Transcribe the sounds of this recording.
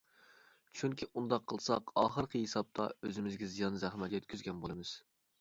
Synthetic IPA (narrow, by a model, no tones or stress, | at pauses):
t͡ʃʰyŋkʲʰiʔund̪ɑqʰːəlˠsɑqɑ̰ːχəɾqʰəɦesɑp̚t̪ʰɑ̰øzɪmɪzɡʲɛzijɑnzæχmɛt̪ʲjɛt̪̚kʲyzɡʲɛnbolˠɨmɨz̥